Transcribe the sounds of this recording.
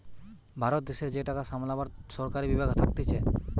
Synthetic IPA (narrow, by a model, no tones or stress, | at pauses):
bʱaɾot̪̚d̪eʃeɾd͡ʑeʈakasamlabaɾʃɔɾkaɾibibaɡʱɔt̪ʰak̚t̪it͡ɕʰe